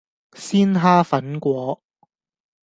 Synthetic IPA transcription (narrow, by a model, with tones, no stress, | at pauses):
siː˥nɦaː˥fɐ˨˥nkʷɔː˨˧˥